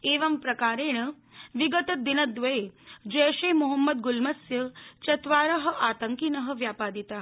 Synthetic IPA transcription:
eːʋɐmpɾɐkaːɾeːɳ̃ɐ | ʋiɡɐt̪ɐd̪inɐd̪ʋɐed͡ʒɐjʃeːmuɦɐmːɐd̪ɡulmɐsjɐt͡ʃɐt̪ʋaːɾɐɦɐ̆ʔaːt̪ɐŋkinɐɦɐ̆ʋjaːpaːd̪it̪aː

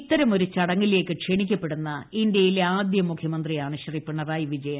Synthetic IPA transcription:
t̪ːɐɾɐmo̞ɾut͡ɕɐɽɐŋːile̞ːkːɨkʂeɳik̬ʲːɐpːe̞ɽunːɐindjɐjileaːd̪jɐmukʰjɐmɐnd̪rijaːɳɨɕriːpːiɳːɐraːjiʋid͡ʑɐjɐ

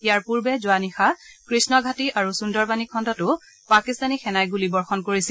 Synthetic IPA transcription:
ijaɹpuɹbɛzʊanixakɹisnɔɡʱatiʔaɹusundɔɹbanikʰɔndɔtʊ | pakist̪anixɛnajɡulibɔɹxɔnkoɹisil

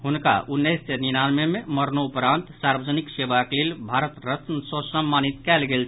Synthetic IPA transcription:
ɦunka̰unːɛjsseninanmememəɾnoupɾant̪saɾbəd͡ʒəniksebakelelbʱaɾət̪ɾət̪nsəsəmːanit̪kɛlɡelt͡ʃʰ

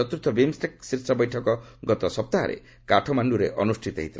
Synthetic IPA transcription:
ɔt̪uɾt̪ʰːɔbemsʈeksiɾsɔbɔjʈʰɔkɔɡɔt̪ɔsɔp̚t̪aɦa̰ɾḛ | kaʈʰɔmanɖuɾeʔɔnusʈʰit̪ɔ̰ɦḭt̪ʰil

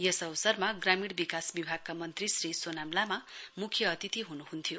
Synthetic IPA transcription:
jesʌwsʌrmaɡramiɽbikasbibʱaɡ̚kamʌnt̪risrisonamlamamukʰjʌːt̪it̪iɦunuɦunt̪ʰijo

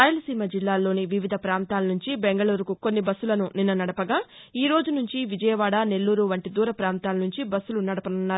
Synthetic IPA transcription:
ɾaːjɐlɐsiːmɐd͡ʒilːaːlːo̞ːniʋiʋid̪ʱɐpɾaːnt̪aːlɐnuɲt͡ʃibeŋɡɐɭuːɾukuko̞nːibɐsːulɐnuninːɐnɐɽɐpɐɡaː | iːɾo̞ːd͡ʒunuɲt͡ʃiʋid͡ʒɐjɐʋaːɽane̞lːuːɾuʋɐɳʈid̪uːɾɐpɾaːnt̪aːlɐnuɲt͡ʃibɐsːulunɐɽɐpɐnunːaːɾu

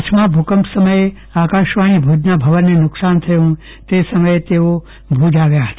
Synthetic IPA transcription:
t͡ʃʰmãbʱukəmpsəməje | akaʃʋaɽ̃ibʱud͡ʒnabʱəʋənːenʊksant̪ʰəjõ | t̪esəməjet̪eo | bʱud͡ʒaʋjaɦət̪a

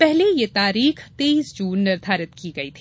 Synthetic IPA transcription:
pɛɦlejet̪aːɾiːxt̪eːiːsd͡ʒuːnːɪɾt̪ʰaːɾət̪kiɡɐit̪ʰː

